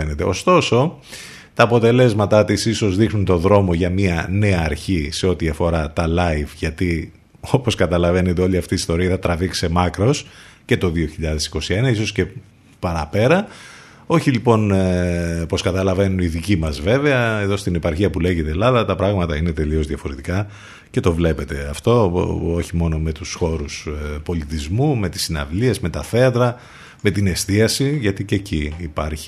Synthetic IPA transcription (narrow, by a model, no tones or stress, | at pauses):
ene̞t̪e̞o̞st̪o̞so̞ | t̪ɐːpo̞t̪e̞le̞zmɐt̪ɐt̪isiso̞zðixnunt̪o̞ðɾo̞mo̞ʝɐmiɐne̞ɐːɾçise̞o̞t̪iɐfo̞ɾɐt̪ɐlɐjvʝɐt̪i | o̞po̞skɐt̪ɐlɐve̞ne̞t̪eo̞liɐft̪iːst̪o̞ɾiɐθɐt̪ɾɐvikse̞mɐkɾo̞sce̞t̪o̞ðio̞çiʎɐðe̞si̥ko̞sienɐiso̞sce̞ | pɐɾɐpe̞ɾɐ | o̞çilipo̞n | po̞skɐt̪ɐlɐve̞nuniðicimɐzve̞veɐeðo̞st̪inepɐɾçiɐpule̞ʝit̪e̞lɐðɐt̪ɐpɾɐɣmɐt̪ɐine̞t̪e̞lio̞zðiɐfo̞ɾe̞t̪ikɐ | ce̞t̪o̞vle̞pe̞t̪e̞ɐft̪o̞o̞çimo̞no̞me̞t̪usxo̞ɾuspo̞lit̪izmume̞t̪i̥sinɐ̰vliezme̞t̪ɐθe̞ɐt̪ɾɐ | me̞t̪ine̞st̪iɐsiʝɐt̪iceciːpɐɾçi̥